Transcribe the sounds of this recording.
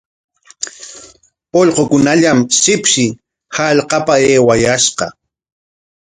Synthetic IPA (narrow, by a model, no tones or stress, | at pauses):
oʎqokʊnaʎamsɪpʃɪ | haʎqɑpaeːwajasqɑ̰